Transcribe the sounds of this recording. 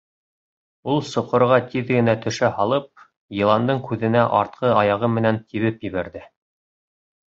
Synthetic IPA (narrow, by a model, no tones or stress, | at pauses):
ulˠsŏqŏɾʁɑt̪iðɡɘ̆næt̪ɵ̆ʃæhɑlˠɤp̚ | jɤ̆lˠɑnd̪ɤɴkʉðɘ̆næʔɑɾt̪̚qɤɑjɑʁɤmɘ̆nænt̪ʰiβɘpjɘ̆βæɾðɘ